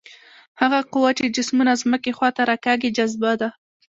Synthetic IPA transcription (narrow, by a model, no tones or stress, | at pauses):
haɣaqʊwat͡ʃed͡ʒɪsmunazməkexwɑt̪aɾakaɡid͡ʒazbad̪a